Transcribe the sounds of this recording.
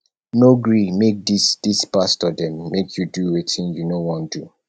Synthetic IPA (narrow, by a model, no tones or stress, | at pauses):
noɡɹimek̚disd̥ispastɔdɛ̃mːekʰjuduwetʰĩnjunowɔ̃ndu